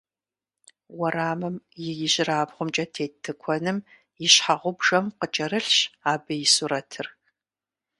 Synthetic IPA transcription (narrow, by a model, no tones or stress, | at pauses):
wɐɾaːmɨmjɪjɪʑɪraːbʁʷʊmt͡ʃʼɐtʰeːtʰːɨkʷʰɔnɨm | jɪɕħaʁʷʊbʒɐmqət͡ʃʼɐɾɨɬɕaːbɨjɪsuɾɐtʰɨr